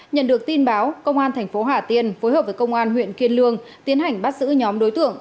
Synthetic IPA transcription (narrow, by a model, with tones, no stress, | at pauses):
ɲə̰˧˨nɗɨ˨˩ək̚t̪i˧nɓaː˨˦wkə˧wŋ͡mʔaː˧nt̪ʰɛ˨˩ŋ̟fo˨˦ɦaː˧˩t̪i˧ənfo˨˦jɦəː˨˩p̚vəː˨˦kə˧wŋ͡mʔaː˧nɦwḭ˧˨ənki˧ənlɨ˧əŋt̪i˨˦ənɦa˨˩jŋ̟ɓa˦˥t̚zɨ̰˧˥ɲɔ˨˦mɗo˨˦jt̪ɨ̰˧˨əŋ